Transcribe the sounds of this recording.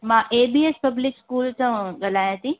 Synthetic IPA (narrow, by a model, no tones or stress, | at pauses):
mãːʔeːbiːespɐblɪkskuːlt͡ɕãɡɐlaːjãt̪ĩ